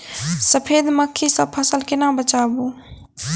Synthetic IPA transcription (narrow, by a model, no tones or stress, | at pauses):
səpʰed̪məkʰːisəb̚pʰəsəlkenabət͡ʃabu